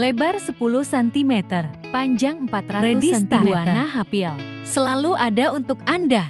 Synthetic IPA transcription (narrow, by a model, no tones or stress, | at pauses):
lebarsəpuluhsɛnt̪imɛt̪ərpaɲd͡ʒaŋəmpat̪ɾaɾeʊsdisɛsnt̪imuanaɦapial | səlaluʔadaunt̪ʊkanda